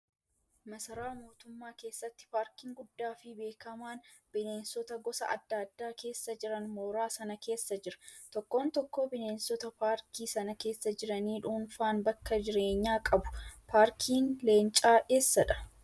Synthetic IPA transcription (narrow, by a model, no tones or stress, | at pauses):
mɐsɐɾaːmo̞ːt̪ʊmːaːke̞ːsːɐt̪ːɪ̥paːɾkiːŋɡʊdːaːfɪbe̞ːkɐmaːnb̥ɪneːnsɔt̪ɐɡɔsɐ̰ʔɐ̰d̪ːaːd̪ːaːke̞ːsːɐd͡ʒɪɾɐnmo̞ːɾaːsɐnɐke̞ːsːɐd͡ʒɪɾɐ̥t̪ɔkːo̞ːnt̪ɔkːoːbɪne̞ːnsɔt̪ɐpaːɾkʰiːsɐnɐke̞ːsːɐd͡ʒɪɾɐniːᶑuːnfaːnbɐkːɐd͡ʒɪɾe̞ːɲːaːkʼɐbʊ̥pʰaːɾkʰiːnle̞ːnt͡ʃʼaːʔeːsːɐᶑɐ̥